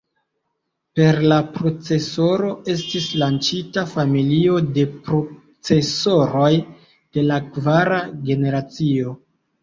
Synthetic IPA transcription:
pe̞ɾlapɾo̞t͡se̞so̞ɾo̞e̞stislant͡ʃitafamilio̞de̞pɾo | t͡se̞so̞ɾo̞j | d̥e̞lakvaɾaɡe̞ne̞ɾat͡sio̞

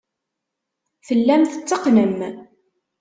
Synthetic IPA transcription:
θəlːæmθə̥t͡sːəqnəm

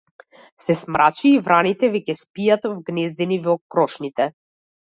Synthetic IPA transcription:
sɛsmɾʔat͡ʃiːvɾanit̪ɛvɛcɛspijat̪vɡnɛzd̪ɛnivɔkɾɔʃnit̪ɛ

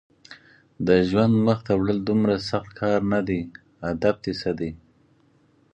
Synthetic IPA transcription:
d̪əʒwand̪məxt̪awɽəld̪ʊmɾasaxt̪kʰɑɾnad̪e | ad̪ab̚t̪esad̪e

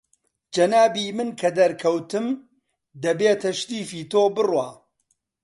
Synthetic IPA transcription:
d͡ʒɐnaːbiːmɨnkʰɐd̪ɐɾkʰɐwt̪ɨm | d̪ɐbeːt̪ʰɐʃt̪iːfiːt̪oːbɨrwaː

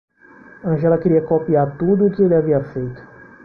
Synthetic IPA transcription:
ɐ̃ʒɛlɐkɪɾiɐkopiaɾt̪ud̪ʊːkɪelɪaviɐfejt̪ʊ̥

